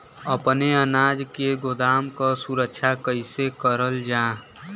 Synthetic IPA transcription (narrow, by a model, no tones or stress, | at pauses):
əpneənaːd͡ʒkeɡod̪aːmkasuɾəkt͡ʃʰakəɪsekəɾəld͡ʒã